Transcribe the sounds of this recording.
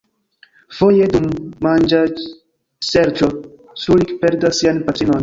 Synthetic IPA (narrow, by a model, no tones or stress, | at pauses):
fojed̪umːand͡ʒa | seɾt͡ʃo | sulikpeɾd̪asianpat̪ɾinon